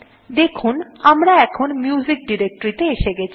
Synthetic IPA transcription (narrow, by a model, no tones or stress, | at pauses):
d̪ekʰunamɾaɛkʰonmjuzik̚ɖiɾek̚ʈoɾit̪eeʃeɡɛt͡ɕʰi